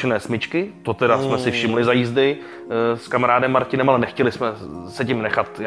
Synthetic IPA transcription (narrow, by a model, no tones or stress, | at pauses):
ɛnɛːsmɪt͡ʃkɪt̪ot̪ɛdasmɛsɪfʃɪmlɪzajiːzdɪ | skamaɾaːdɛmːaɾcɪnɛmalɛnɛxcɛlɪsmɛsɛcɪmnɛxat̪